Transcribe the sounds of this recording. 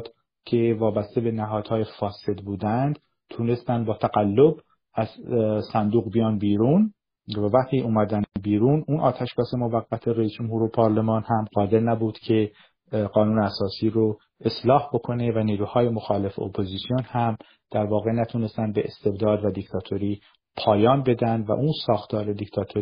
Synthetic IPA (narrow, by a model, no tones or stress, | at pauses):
d̪̥ | cʰe̞vɒːbæst̪e̞be̞næɦɒːd̪̥hɒːjefɒːse̞d̪buːd̪ænd̪̥ | t̪ʰune̞st̪ænd̪bɒːt̪ʰæɡælːo̞b | æz̥sænd̪uːɣbijɒːnbiːɾuːn | vævæχt̪ʰiːʔuːmæd̪ænbiːɾuːnuːnʔɒ̰ːt̪ʰæʃbɒːse̞mo̞væɡːæt̪ʰe̞ɾejiːsd͡ʒo̞mhuːɾopʰɒːɾle̞mɒːnhæmɢɒːd̪e̞ɾnæbuːd̪̥cʰe̞ | ɢɒːnuːneæsɒːsiːɾo | e̞slɒːhbo̞kʰo̞ne̞væniːɾuːhɒːje̞mo̞xɒːle̞feopʰoziːsijonhæm | d̪̥æɾvɒːɣe̞næt̪ʰuːne̞st̪ænd̪beʔest̪e̞bd̪ɒːd̪væd̪ict̪ʰɒːt̪ʰo̞ɾiː | pʰɒːjɒːnbe̞d̪ænd̪væ̰ʔunsɒːxt̪ʰɒːɾe̞d̪ict̪ʰɒːt̪ʰo